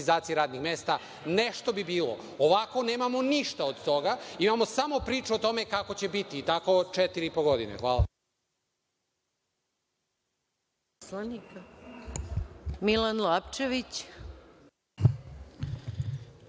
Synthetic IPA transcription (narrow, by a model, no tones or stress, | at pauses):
izaːt̪sijeɾaːd̪nixme̞ːst̪a | ne̞ʃt̪o̞bibiːlo̞̰ | oʋako̞ne̞ːmamo̞niʃt̪aod̪t̪o̞ɡaimamo̞samo̞pɾiːt͡ʃuot̪o̞me̞kako̞t͡ɕe̞bit̪iːt̪ako̞t͡ʃet̪iɾiipoɡo̞d̪inḛxʋaːla | slanik | milanlapt͡ʃeʋit͡ɕ